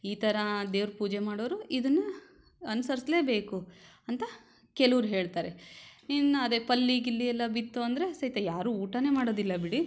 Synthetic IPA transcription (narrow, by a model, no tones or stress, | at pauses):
iːt̪ʰɐɾɐd̪e̞ːʋɾpuːd͡ʒemaːɽoːɐɾuʔid̪ɐnːɐ | ɐnusɐɾisle̞ːbe̞ːkuɐnt̪ɐ | kɛluʋɾuɦe̞ːɭt̪aːɾeinːɐd̪epɐlːiɡilːijɛlːɐbit̪ːuɐnd̪ɐɾe̞sɐjt̪ɐjaːɾuuːʈɐne̞ːmaːɽoːd̪ilːɐbiɽi